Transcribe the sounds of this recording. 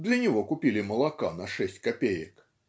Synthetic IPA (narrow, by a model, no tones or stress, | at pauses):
d̪lʲɐnʲɐɣɔkupʲilʲimɐlˠakanɐʂɛsʲt͡sʲkapʲejək